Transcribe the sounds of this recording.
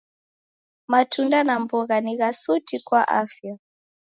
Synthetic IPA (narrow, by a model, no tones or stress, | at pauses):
matʰundanambɔɣaniɣasutikwaʔafja